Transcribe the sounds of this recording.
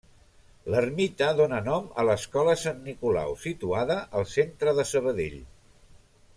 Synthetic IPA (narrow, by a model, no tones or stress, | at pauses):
lərmit̪əðonənɔmə̰ləskɔləsanːikula̰wsit̪uaðəʔəlˠsent̪ɾəðəsəβ̞əðḛʎ